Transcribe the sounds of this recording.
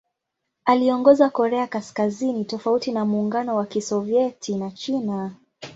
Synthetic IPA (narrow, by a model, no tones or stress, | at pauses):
aliɔŋɡɔzakɔɾɛakaskazinitɔfautinamuːŋɡanɔwakisɔviɛtʰinat͡ʃina